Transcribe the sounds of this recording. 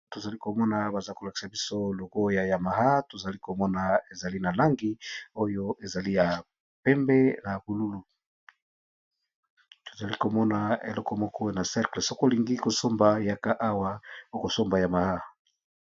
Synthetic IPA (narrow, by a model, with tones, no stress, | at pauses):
to˨za˨li˦ko˨mɔ˦na˨ba˨za˦ko˨la˨ki̥˨sa˨bi˦so˦lo˨ɡo˦ja˨ja˨ma˨ɦa˦to˨za˨li˦ko˨mɔ˦na˨e˨za˨li˦na˨la˦ŋɡi˦o˦jo˦ʔe˨za˨li˦ja˨ | pɛ˦mbe˦na˨ku˨lu˦lu˨ | to̥˨za˨li˦ko˨mɔ˦na˨ḛ˨lɔ˦kɔ˨mɔ˦kɔ˦e˦na˨sɛ˦kle˨so˦ko˦li˨ŋɡi˦ko˨so˦mba˨ja˨ka˦ʔa˦wa˦o˦ko˨so˦mba˨ja˨ma˨ha˦